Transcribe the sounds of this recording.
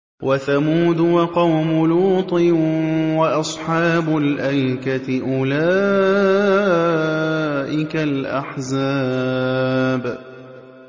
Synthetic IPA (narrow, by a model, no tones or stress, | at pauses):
wʔaθamuːd̪ʊwɑqɑwmʊluːt̪ˤɨwaʔɑsˤħɑːbʊlʔajkat̪ɪʔʊla | ʔɪkalʔa̰ħza | b